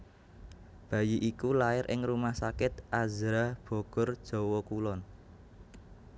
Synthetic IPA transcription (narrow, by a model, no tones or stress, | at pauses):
b̥ä̤jiʔikulaɪɾʔɪ̰ŋrumahsakɪt̪̚ʔazɾab̥o̤ɡ̥ɔrd̥ʒ̥o̤wɔkulɔn